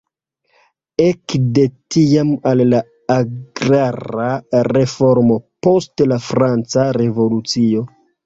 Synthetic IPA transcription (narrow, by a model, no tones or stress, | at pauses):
ekde̞tiamalːa | aɡɾaɾaɾe̞fo̞ɾmo̞po̞stlafɾant͡saɾe̞vo̞lut͡sio̞